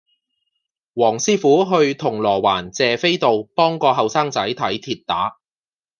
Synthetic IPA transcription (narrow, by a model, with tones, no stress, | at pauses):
wɔː˨˩ŋsiː˥fuː˨˥ɦɵ˧ɥt̪ʰʊ˨˩ŋlɔː˨˩wa̰ː˨˩nt͡sɛː˨fe˥jt̪o˨wpɔː˥ŋkɔː˧ɦɐ˨wsaː˥ŋt͡sɐ˨˥jt̪ʰɐ˨˥jt̪ʰiː˧t̚t̪aː˨˥